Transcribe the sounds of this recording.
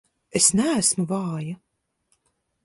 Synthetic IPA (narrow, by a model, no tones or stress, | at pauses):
esnʲæːsmɨvɑːjɐ